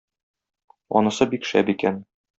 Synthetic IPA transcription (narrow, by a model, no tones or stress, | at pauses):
ɒ̰nɤ̆sɤbikʃæ̰bikæn